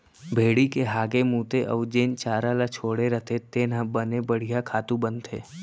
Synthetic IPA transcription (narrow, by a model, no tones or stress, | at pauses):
bʱeːɽikeɦaːɡemũːt̪eʔəʋd͡ʒeːnt͡ʃaːɾalat͡ʃʰoːɽeɾət̪ʰet̪eːnãbənebəɽ̤ijakʰaːt̪ũbə̃nt̪ʰḛː